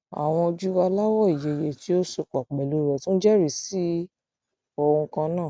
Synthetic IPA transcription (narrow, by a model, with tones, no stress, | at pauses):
a̰˨w̃ɔ̃˧d͡ʒu˦wa˧la˦wɔ˦˨i˨je˨je˨ti˦o˦so˧˨k͡pa˨k͡pɛ˨lo˨˦ɾɛ˨tũ˦d͡ʒɛ˦ɾi˨si˦ | o˧wõ˧kã˧nãː˦˨